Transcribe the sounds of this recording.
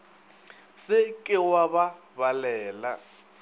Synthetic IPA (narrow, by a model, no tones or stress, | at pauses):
sɪkʼɪwaβa | balɛːla̰